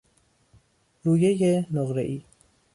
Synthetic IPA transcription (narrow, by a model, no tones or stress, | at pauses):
ɾuːjejenoɣɾḛʔiː